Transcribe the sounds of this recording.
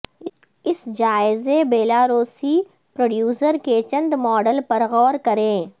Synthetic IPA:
ɪsd͡ʒaːɪzebeːlaːɾoːsi | pɾoːɖjuːsəɾket͡ʃɐ̃nd̪mɔːɖəlpɐɾɣɔːɾkɐɾẽː

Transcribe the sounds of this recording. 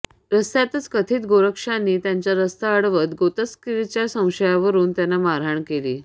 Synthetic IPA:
ɾəst̪jat̪ət͡skət̪ʰiːt̪ɡoɾəkʂanːiːt̪jaɲt͡ɕjaɾəst̪aəɽʋət̪ɡot̪əskiɾt͡ɕjasə̃w̃ɕəjaʋəɾuːnt̪janːamaɾaɳkeliː

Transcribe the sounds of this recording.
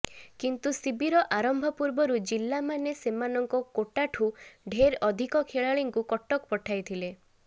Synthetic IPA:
kint̪usibiɾɔʔaɾɔmbʱɔpuɾbɔɾud͡ʒilːamanesemanɔŋkɔkoʈaʈʰuɖʱeɾɔd̪ʱikɔkʰeɭaɭiŋkukɔʈɔkpɔʈʰajt̪ʰile

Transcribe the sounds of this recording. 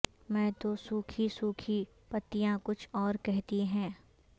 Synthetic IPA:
mɛ̃ːt̪osuːkʰisuːkʰi | pɐt̪ːijãkʊt͡ʃʰɔːɾkɛɦt̪iɦɛ̃ː

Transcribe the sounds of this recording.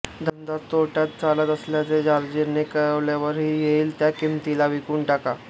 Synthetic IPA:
d̪ʱənd̪at̪t̪ːoʈjat̪t͡salət̪əsljat͡sed͡ʑaɾd͡ʑiɾnekəɾəʋljaʋəɾɦiːjeiːlt̪jakimt̪ilaʋikuːɳʈaka

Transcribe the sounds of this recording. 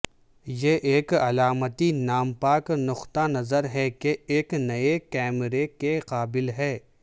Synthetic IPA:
jeʔeːkɐlaːmət̪inaːmpaːknʊxt̪anɐzəɾɦɛkeeːknɐekɛːmɾekeqaːbɪlɦɛː

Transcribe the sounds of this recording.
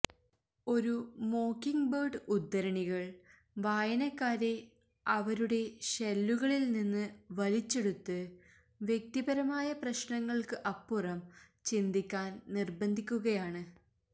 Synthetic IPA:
o̞ɾumo̞ːkːiŋbɐːrɖɨud̪ːɐɾɐɳiɣɐɭ | ʋaːjɐnɐkːaːɾe̞ | ɐʋɐɾuɽe̞ɕelːuɣɐɭilninːɨʋɐlit͡ɕːe̞ɽut̪ːɨ | ʋjek̚t̪ibɐɾɐmaːjɐprɐɕɳɐŋːɐɭkɨʔɐpːurɐm | t͡ɕind̪ikʲːaːnnirbɐnd̪ʱikʲːuɣɐjaːɳɨ

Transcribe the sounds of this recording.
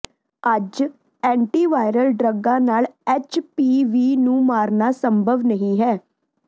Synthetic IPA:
əd͡ʒ | ɛ̃ːɳʈiːʋaːɪɾəlɖɾəɡãːnaːlɛːt͡ʃpiːʋiːnũːmaːɾnaːsəmbʱəʋnəɦĩːɦɛː

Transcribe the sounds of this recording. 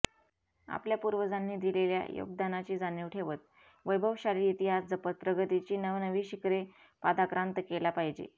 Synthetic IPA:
a̰pljapuɾʋəd͡zanːiːd̪ilelja̰jo̰ɡ̚d̪anat͡ɕiːd͡zanjiʋʈʰeʋət̪̚ | ʋəjbʱəʋɕaɾiːit̪iɦasd͡zəpət̪̚pɾəɡət̪it͡ɕiːnəʋnəʋiːɕikɾe | pad̪akɾãnt̪əkelapaɦid͡ʑḛ

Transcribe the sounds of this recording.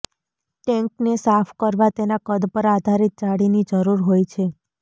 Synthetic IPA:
ʈɛŋknesapʰkəɾʋat̪enakəd̪pəɾad̪ʱaɾit̪̚t͡ʃaɽinid͡ʒəɾuɾɦojt͡ʃʰe

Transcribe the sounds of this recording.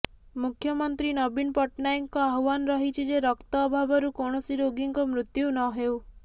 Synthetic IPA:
mukʰjɔmɔnt̪ɾinɔbinpɔʈnajŋkɔaɦwanɾɔɦit͡ʃʰid͡ʒeɾɔkt̪ɔːbʱabɔɾukɔɳ̃ɔsiɾoɡiŋkɔmɾut̪junɔɦew

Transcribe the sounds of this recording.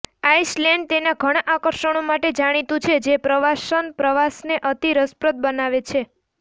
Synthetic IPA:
aiʃlɛɳɖ̚t̪enaɡʱəɽ̃aʔakəɾʃəɳ̃omaʈed͡ʒaɽ̃it̪ũt͡ʃʰed͡ʒepɾəʋaʃənpɾəʋasneʔət̪iɾəspɾət̪̚bənaʋet͡ʃʰe

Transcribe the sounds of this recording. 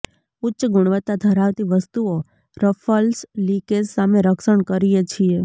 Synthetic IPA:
ʊtːʃəɡʊɳ̃ʋət̪ːad̪ʱəɾaʋt̪iʋəst̪uo | ɾəfəlslikessameɾəkʃəɳkəɾijet͡ʃʰie

